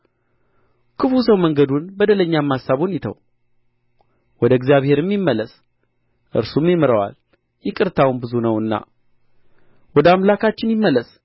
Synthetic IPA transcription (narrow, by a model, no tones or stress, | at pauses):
kʰɨfusəwməŋɡəd̪unbəd̪ələɲːamːasːaβunjɪt̪ʰə̰w | wɔd̪əɡzijaβhe̞ɾɨmːimːələs | ʔɨ̰ɾsumjɪmɨɾəwa̰l | jɛkʼɨɾt̪ʰawmbɨzunəwɨnːa̰ | wɔd̪əamlakʰat͡ʃːɪnjɪmːələs